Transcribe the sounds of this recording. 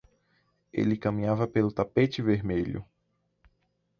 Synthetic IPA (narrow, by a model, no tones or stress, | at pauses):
ḛlɪkɐmĩɲavɐpelʊt̪apet͡ʃɪveɾmeʎʊ̰